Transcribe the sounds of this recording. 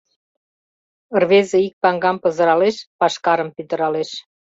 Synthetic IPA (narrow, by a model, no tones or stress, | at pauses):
ərβezĕik̚pɑŋɡɑmpɤ̆zə̆ɾɑleʃpɑʃkɑɾə̆mpyt̪ə̆ɾɑleʃ